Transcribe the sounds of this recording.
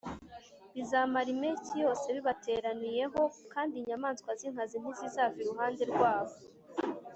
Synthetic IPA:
βizaːmaɾimecijo̞ːse̞βiβatʰe̞ːɾanije̞ɦo̞kaːndiɲamaːnskwaziŋ̥hazin̥izizaːfiɾuɦaːnde̞ɾɡwaːβo̞

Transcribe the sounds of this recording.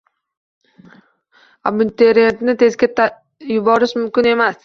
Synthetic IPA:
amʊnt̪ʰeɾet̪nɪt̪ʰe̞zɡʲat̪ | jʊbɒɾɪʃmʊmkʲɪne̞mas

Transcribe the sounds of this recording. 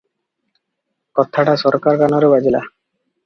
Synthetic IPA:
kɔt̪ʰːaʈasɔɾkaɾkanoɾebad͡ʑila̰

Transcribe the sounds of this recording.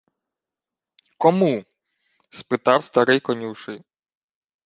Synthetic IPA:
kɔmu | spɪt̪ɑwst̪ɐɾɪjkɔnʲuʃɪj

